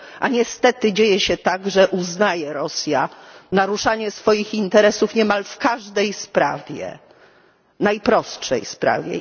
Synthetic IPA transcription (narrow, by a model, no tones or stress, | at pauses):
ʔaɲɛst̪ɛt̪ɘd͡ʑejɛɕɛt̪aɡʐɛʔuznajɛɾɔsʲjanaɾuʂaɲɛsfɔjixint̪ɛɾɛsufɲɛmalfkaʐd̪ɛjspɾa̰vʲjɛ̰ | najpɾɔstʂɛ̰jspɾa̰vʲjɛ̰